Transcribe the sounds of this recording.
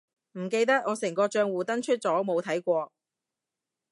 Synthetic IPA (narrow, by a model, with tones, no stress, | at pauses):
m̩˨˩ke˧jt̪ɐ˥k̚ŋɔː˨˧sɛ˨˩ŋkɔː˧t͡ʃœː˧ŋwuː˨t̪ɐ˥nt͡ʃʰɵ˥t̚t͡sɔː˨˥mo˨˧wt̪ʰɐ˨˥jkʷɔː˧